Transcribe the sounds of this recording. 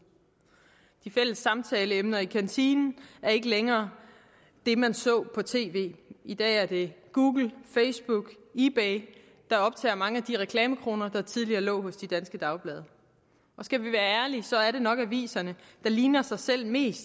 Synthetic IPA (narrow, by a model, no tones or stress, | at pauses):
d̥ifel̰əsːɑ̈mt͡sʰɛːləemnɐikʰænt͡sʰiːnn̩æɐe̝ɡ̥əleŋɐː | d̥e̝mænsɔ̰̽ːpʰɒ̽t͡sʰe̝̰ːʋe̝̰ːid̥ɛ̰ːæɐd̥e̝ɡ̥uːɡ̥l̩feɪsb̥uɡ̥ | ib̥eɪ | d̥ɑ̈ɒ̽b̥̚t͡sʰɛ̰ːmɑ̈ŋəæd̥iʁɛkʰlɛːməkʰʁo̝ːnɐd̥ɑ̈t͡sʰið̞ˠliɐːlɔ̰̽ːɦɔ̽sd̥id̥ænsɡ̥əd̥ɑ̈ʊb̥lɛːð̞ˠɐ | ʔɒ̽sɡ̥æʋiʋæːɐæɐlisɒ̽æɐɾe̝nɒ̽ɡ̥æʋḭːsɐnəd̥ɑ̈liːnɐsɑ̈ɪsel̰me̝̰ːsd̥